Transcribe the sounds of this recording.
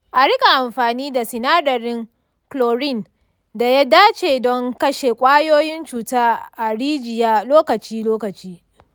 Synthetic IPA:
ʔa˨ɽɪ˦kʼa˨ʔa˨mɸaː˨niː˦da˨sɪ˨naː˦dɐ˨ɾɪ˦ŋ | kloː˨ɾɪ˦˨n | da˨ja˦daː˦t͡ʃeː˨dɔ˦ŋkɐ˦ʃe˨kʷʼaː˦joː˦jɪ˦nt͡ʃuː˨taː˦ʔa˨ɽiː˦d͡ʒɪ˨jaː˦loː˦kɐ˨t͡ʃiː˦loː˦kɐ˨t͡ʃiː˦

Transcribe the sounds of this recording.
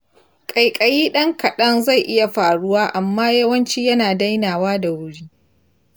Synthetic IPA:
kʼɐ˨jkʼɐ˨jiː˦ɗɐ˦ŋkɐ˨ɗɐ˦nza˦˨jʔɪ˦ja˨ɸaː˨ɽʊ˦waː˦ʔa˨mːaː˦jɐ˦wɐ˦nt͡ʃiː˦jɐ˦naː˨da˦jnaː˨waː˦da˨wʊ˦ɽiː˦

